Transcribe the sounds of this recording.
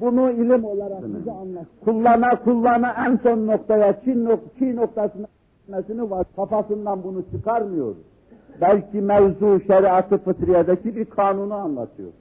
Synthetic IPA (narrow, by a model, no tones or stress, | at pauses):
bunuilʲimo̞lˠaɾaiznkʰulˠːanakʰulˠːanaʔænso̞nːo̞kt̪ʰajat͡ʃʰinːot͡ʃʰino̞k̚t̪ʰasɯna | ilmɛsinivaɾkʰapasɯnd̪anbunut͡ʃʰɯkʰaɾmɯjo̞̰ɾ | bælʲcʰimɛvzuʃɛɾiat̪ʰɯfɯt̪ʰɾijad̪acʰibiɾkʰaːnunuanlˠat̪ʰɯjo̰ɾ